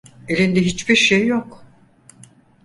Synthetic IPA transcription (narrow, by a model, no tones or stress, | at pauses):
elʲind̪ɛɦit͡ʃbiɾʃejːok